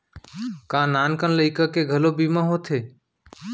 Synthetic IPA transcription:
kãːnaːnkənləikəkeːɡʱəloːbiːmãːɦoːt̪ʰeː

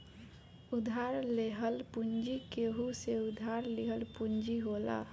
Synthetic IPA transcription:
ud̪ʱaɾleɦəlpund͡ʒikeɦuseud̪ʱaɾliɦəlpund͡ʒiɦola̰

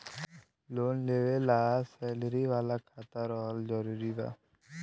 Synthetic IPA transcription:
loːnleːʋelaːsɛːləɾiʋaːlakʰaːt̪aɾɔɦəld͡ʒəɾuːɾiba̰ː

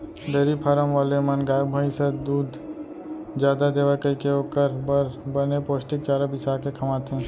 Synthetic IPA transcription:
d̪eːɾipʰaːɾəmʋaːlemɐnɡaːjbʱəĩsəd̪uːd̪ʱ | d͡ʒjaːd̪ad̪eːʋəkəikeoːkəɾbəɾbənepoːsʈɪk̚t͡ʃaːɾəbɪsaːkekʰɐmaːt̪ɦẽː

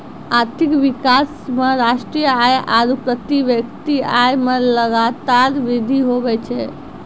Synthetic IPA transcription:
aɾt̪ʰikʋikasmeɾaʃʈɾijəajʔaɾupɾət̪iʋjəkt̪iajmeləɡat̪aɾʋid̪ʱiɦobɛt͡ʃʰɛ

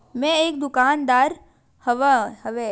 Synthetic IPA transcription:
mẽeːk̚d̪ʊkaːnd̪aːɾ | hɐʋhɐʋe

